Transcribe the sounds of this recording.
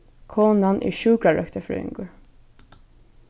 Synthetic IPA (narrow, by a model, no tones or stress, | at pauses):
kʰɔːnanʔḭʃuːkɾaɹœ̰kt̪əfɾœ̰ːɪ̰ŋkʊɹ